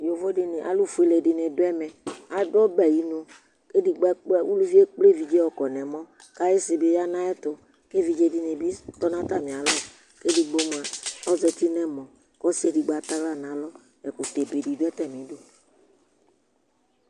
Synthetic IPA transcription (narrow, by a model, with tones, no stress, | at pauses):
jo˨vo˦ɖɪ˨nẽ˨ʔa̰˨lu˦fu˨˦e˨le˨ɖɪ˨nɛ̃˨do˦ɛ˦mɛ̃˨a˨dɔ˦bɛ˨ji˦no˦ | ke˦di˨ɡ͡bɛ˦k͡pɛ˦wu˦lu˦vi˦e˦k͡ple˦vi˨d͡ʒe˦wɔ˦kɔ˨nɛ̃˨mɔ̃˦ | ka˦je˦sɪ˨be˦ja˦nã˦ɛ˦t̪ʊ˨ | ke˦vi˨d͡ʒe˦di˨ne˨bi˦t̪ɔ˦nã˦t̪a˦˨mĩ˨a˨lɔ˦ | ke˦di˨ɡ͡bo˦m˨a˨ɔ˦zɛ˨t̪i˦nɛ̃˦mɔ̃˨ | kɔ˦si˦e˨di˨ɡ͡ba˨t̪a˦ɡla˦˨nã˨˦lɔ˦ | ɛ˨ku˨t̪e˨be˨di˨do˦ɛ˦t̪ɛ˨mĩ˨˦do˦